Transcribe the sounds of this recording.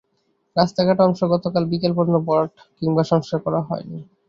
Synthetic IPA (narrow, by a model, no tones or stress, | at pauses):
ɾast̪aɡaʈɔŋʃoɡɔt̪okalbikelpoɾnobɔʈ | kiŋbaʃɔŋskaɾkɔɾaɦɔeni